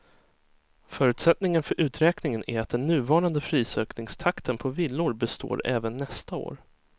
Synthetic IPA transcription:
fœːɾʉ̟ːt̪sɛt̪nɪŋənfœɾʔʉ̟ːt̪ɾɛːknɪŋənʔæ̰ɾat̪̚d̪ɛnːʉ̟ːvɑːɾand̪əfɾiːsøːknɪŋst̪ʰakt̪ənpʰɔvɪlːʊɾbɛst̪o̰ːɾɛːvənːɛst̪ao̰ːɾ

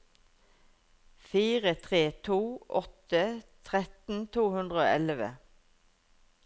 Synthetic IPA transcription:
fiːʁət̪ʰʁeːt̪ʰuːʔɔt̪ət̪ʰʁɛt̪n̩t̪ʰuːhʉnd̪ʁəo̰ːʔɛlʋə̰

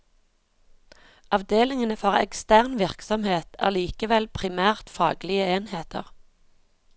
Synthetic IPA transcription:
ʔɑʋd̪eːlɪŋənəfɔʁɛ̰kst̪æːʁnʋɪʁksɔmheːt̪ʰæ̰ːʁliːkəʋɛlpʰʁɪmæːʁt̪fɑ̰ːɡlɪəeːnheːt̪ʰə̰ʁ

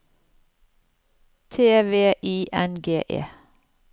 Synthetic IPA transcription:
t̪ʰeːʋeːʔiːʔɛnɡeːʔḛː

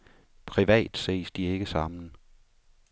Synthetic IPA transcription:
pʰʁiʋɛ̰ːd̥sḛːsd̥ie̝ɡ̥əsɑ̈mn̩

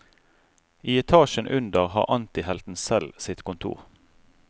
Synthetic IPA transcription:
ʔiːɛt̪ʰɑːʃənʔʉnd̪əʁhɑ̰ːʁʔɑnt̪ɪhɛlt̪n̩sɛlsɪt̪kʊnt̪ʰṵːʁ

